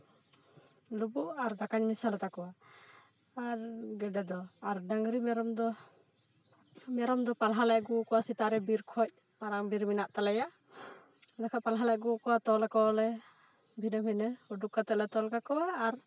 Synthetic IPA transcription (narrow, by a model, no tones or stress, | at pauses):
lubuʔaɾd̪akaɲmisalɛt̪akɔwa | aɾɡɛɖɛd̪ɔaɾɖaŋɡɾimɛɾɔmd̪ɔ | mɛɾɔmd̪ɔpalɦalɛʔɡukɔwasit̪aɾɛbiɾkʰɔc̚ | paɾaŋbiɾminaʔt̪alajaʔ | d̪akʰapalɦalɛʔɡukɔwat̪ɔlɛkɔlɛ | bʱinəbʱinəuɖukːat̪ɛlɛt̪ɔlkakɔwaːɾ